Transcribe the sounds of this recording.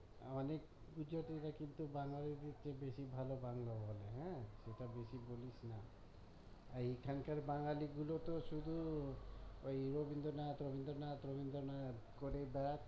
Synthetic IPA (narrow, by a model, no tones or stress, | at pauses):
ɔnek | ɡud͡ʒɔt̪iɾakint̪ubaŋalid̪it͡ʃʰebesibʱalobaŋlɔbɦɔleɦɛ̃seʈabesibolisna | aɾikʰankaɾbaŋɡaliɡulɔt̪ɔsud̪ʱu | ojɾobind̪ɔnat̪ɾobind̪ɔɾnat̪ɾobind̪ɔɾnat̪koɾebat̪